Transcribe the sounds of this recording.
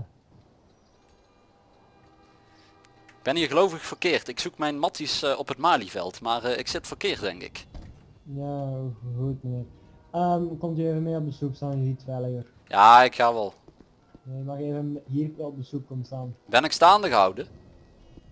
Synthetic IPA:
ɡ̚b̥ɛnɦiɣəlowvəxfərkɪːrtɪksukmɛjnmɑtisɔpɦətmaːlivɛ̰lˠtmaːrɪ̰ksɪtfərkɪːrt̚dɛ̰ŋkɪ̰k | jaɣutməne | əmkɔmtəeːvənmeːɔp̚dəsupstaːnjəitʋɛləər | jaːɪkxaːʋɛlˠ | nejəmɑxevənɦiːɾkːɔp̚dəsuk̚kɔməstaːnbɛnɪkstaːndəɣəɦʌ̰wdə

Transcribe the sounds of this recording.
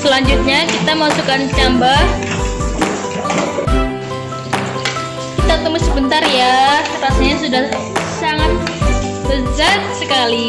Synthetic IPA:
səlaɲd͡ʒut̪̚ɲakit̪aməmasukant͡ʃambah | kit̪at̪əmɪsːəbənt̪arjarasaɲasudahsaŋat̪̚ | bəzat̪̚səkali

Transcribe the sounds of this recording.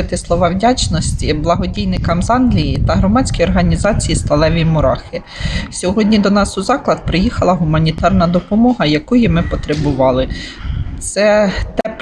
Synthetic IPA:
ɪt̪ɪslˠɔʋɑwdʲat͡ʃnɔsʲtʲiblˠɐɦɔdʲijnɪkɐmzɑnlʲijit̪ɐɦɾɔmɑt͡sʲkʲijɔrɦɐnʲizɑt͡sʲijist̪ɐlˠɛʋʲimʊɾɑxɪ | sʲɔɦɔdʲnʲid̪ɔnɑsʊzɑklˠɐd̪̚pɾɪjixɐlˠɐɦʊmɐnʲit̪ɑrnɐd̪ɔpɔmɔɦɐjɐkujimɪpɔt̪ɾebʊʋɑlˠɪt̪sɛt̪ɛ

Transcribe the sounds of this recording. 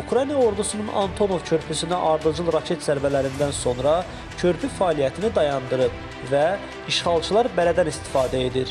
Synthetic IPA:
ukɾɑjnijɑo̞ɾd̪usununɑ̰nt̪ʰo̞no̞vcʰø̞ɾpʰysynæʔɑɾd̪ɯd͡ʒɯlˠɾɑcʰe̞t̪sæɾvælæɾind̪ænso̞nɾɑ | cʰø̞ɾpʰyfɑːlijæt̪ʰinid̪ɑjɑnd̪ɯɾɯp | væ | iʃχɑlˠt͡ʃʰɯlˠɑɾbælæd̪ænist̪i̥fɑːd̪æe̞d̪iɾ

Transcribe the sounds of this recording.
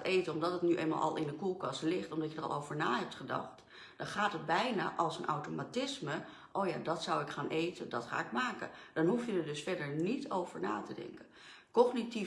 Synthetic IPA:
tejtənɔmdɑtətnyʔḛjma̰lʔɑ̰lˠɪndəkulˠkɑsəlɪχtɔmdɑtjədərɑ̰lˠowvəɹnaːɦɛp̚tχədɑ̰χt | d̥ɑnχaːtɦəd̚bɛjna̰ːʔɑlˠsənʔawtomatɪsmə | ʔoːwjaːdɑtsʌwɪkχaːnʔejtəndɑtχa̰ːɪkmaːkə̰d̥ɑnɦufjədəɹdɵsfɛɹdəɹnitʰowv̥əɹna̰ːtədɛ̰ŋkən | kɔχniti

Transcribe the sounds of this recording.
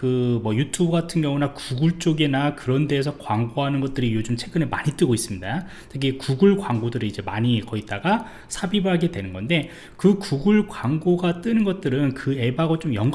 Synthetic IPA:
kɯmʌjutʰubɯɡatʰɯnɡjʌŋunakuɡuɭt͡ɕ͈oɡinakɯɾʌnde̞ːsʰʌkwaŋɡoɦanɯnɡʌt̚t͈ɯɾijod͡ʑumt͡ɕʰe̞ɡɯne̞maɲit͈ɯɡois͈ɯmɲida | tʰɯɡikuɡuɭkwaŋɡodɯɾiid͡ʑe̞maɲikʌit̚t͈aɡa | sʰabibɯɦaɡe̞dwe̞nɯnɡʌnde̞ | kɯkuɡuɭkwaŋɡoɡat͈ɯnɯnɡʌt̚t͈ɯɾɯnkɯe̞baɡʌt͡ɕ͈omjʌŋɡ

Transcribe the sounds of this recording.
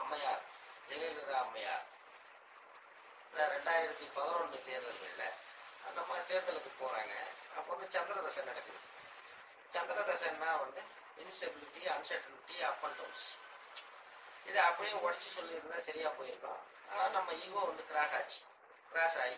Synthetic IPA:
ɐmːɐjaːɾ | d͡ʒɛɣɐɾɪðɐɐmːɐja̰ːɾ | naɾɛɳɖaːjɪɾɐt̪ːipɐðɐɾɔnnɯt̪eːɾðɐlʋeːlɐ̰nɐmːɐt̪eːɾðɐlɯkːɯpoːɾa̰ːŋɡɐ̰ɐ̰pːoːʋɐnd̪ɯt͡ʃɐnd̪ɐɾɐd̪ɐsɐ̃nɐɽɐkːɯðɯ | t͡ʃɐnd̪ɐɾɐd̪ɐsɐnːãːʋɐnd̪ɯ | ɪnsʈɐbɪlɪʈːiɐnsɐʈːɐlɪʈːiɐpːɐɳʈɐːms | ɪðɯɐpːɐɽɪjʊ̃ɔɽɪt͡ʃːisɔlːiɾɯnãːsɐɾɪjaːpoːjɪɾɯkːõ̰ː | a̰ːnaːlnɐmːɐiɡõːʋɐnd̪ɯkɪɾaːsaːt͡ʃːi̥ | kɪɾaːsaːji

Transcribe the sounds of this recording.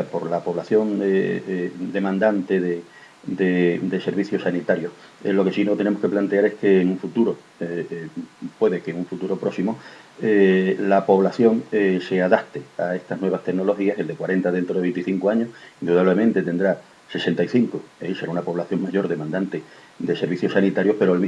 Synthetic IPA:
po̞ɾlapo̞βlaθjo̞ŋe | d̪e̞mãnd̪ant̪eðe | d̪ed̪e̞se̞ɾβiθjo̞sanit̪aɾjo̞h | lo̞ke̞sinot̪e̞ne̞mohke̞plant̪e̞aɾe̞hke̞ːŋũɱfut̪uɾo̞ | pwe̞ðekeŋuɱfut̪uɾo̞pɾo̞simo | elapo̞βlaθjo̞ŋese̞aðaht̪eae̞st̪anwe̞βaht̪e̞ɡno̞lo̞xiaseld̪e̞kwaɾe̞nt̪aðe̞nt̪ɾo̞ðeent̪iθiŋkoaɲo̞hind̪uðaβle̞mẽnt̪e̞t̪e̞nd̪ɾa | se̞se̞nt̪aiθiŋkoese̞ɾaunapo̞βlaθjo̞ŋmaʝo̞ɾðe̞mãnd̪ant̪e̞ | d̪ese̞ɾβiθjo̞sanit̪aɾjo̞hpe̞ɾoalmi

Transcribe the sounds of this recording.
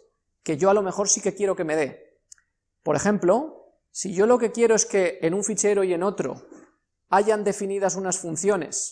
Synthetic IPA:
ke̞ʝo̞alo̞me̞xo̞ɾsike̞kje̞ɾo̞ke̞me̞ð̞e̞ | po̞ɾe̞xe̞mplo̞ | siʝo̞lo̞ke̞kje̞ɾo̞e̞ske̞ːnuɱfit͡ʃe̞ɾo̞ie̞no̞t̪ɾo̞̰ | aʝand̪e̞finið̞asunasfun̟θjo̞ne̞̰s

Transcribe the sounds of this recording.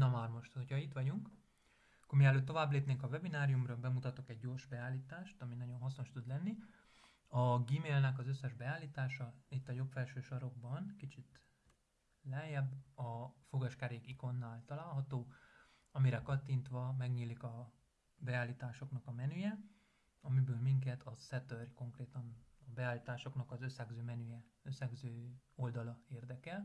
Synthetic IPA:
nɒmaːrmo̞ʃt̪hocʰɒit̪ʋɒɟuŋk | ɒkːormiɛlːøːt̪ːo̞vaːbleːpneːŋkɒvɛbinaːɾijumrɒbɛmut̪ɒt̪o̞kɛɟːoːrʃbɛaːliːt̪aːʃt̪ɒminɒɟo̞nɦɒsno̞ʃt̪ud̪lɛnːi | ɒɡiːmeːlnɛkɒzøsːɛʒbɛaːlːiːt̪aːʃɒit̪ːɒjo̞pfɛlʃøːʃɒɾo̞ɡ̚bɒnkit͡ʃit̪ | lɛjɛbːɒfoɡɒʃkaːɾeːkiko̞nːaːlt̪ɒlaːlɦɒt̪oː | ɒmiɾɛkɒt̪ːint̪ʋɒmɛɡɲiːlikɒ | bɛaːlːiːt̪aːʃo̞knɒkɒmɛnyjɛ | ɒmibøːlmiŋkɛt̪ʰɒsɛt̪ørko̞ŋkreːt̪ɒnɒbɛaːliːt̪aːʃo̞knɒkɒzø̞sːɛɡzøːmɛnyjɛ | øsːɛɡzøːo̞ld̪ɒlɒeːrd̪ɛkɛl

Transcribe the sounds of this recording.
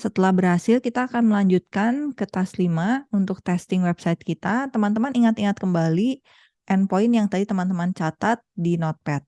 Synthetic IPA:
sət̪əlahbərhasɪlkit̪aːkanməlaɲd͡ʒut̪̚kankət̪aslimaunt̪ʊk̚t̪ɛst̪ɪŋwɛbsajt̪̚kit̪at̪əmant̪̬əmaniŋat̪iŋat̪̚kəmbali | ʔɛnpoɪnjaŋt̪adit̪əmant̪əmant͡ʃat̪at̪̚dinɔt̪̚pɛt̪̚

